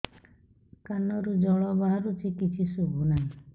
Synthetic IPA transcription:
kanɔɾud͡ʒɔɭɔbaɦaɾut͡ʃʰikit͡ʃʰisubʱunaɦĩ

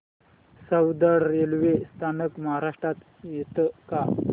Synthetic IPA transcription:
səwd̪əɽːelʋest̪ʰanəkmaɦaɾaʂʈat̪ | jet̪əka

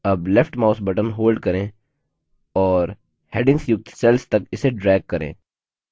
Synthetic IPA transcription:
ɐblɛfʰʈmaːʊsbɐʈənɦoːlɖkɐɾẽː | ɔːɾ | hɛːɖɪ̃ŋɡsjʊɡ̚t̪sɛlst̪ɐkɪseɖɾɛːɡ̚kɐɾḛ̃ː

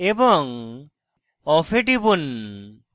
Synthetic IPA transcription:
ebɔŋ | ɔpʰeʈibun

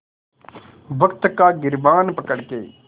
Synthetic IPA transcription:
ʋəkt̪kaːɡɪɾʋaːnpəkəɽkeː

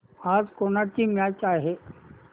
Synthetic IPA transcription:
aːzkonakimat͡ʃaːɦe

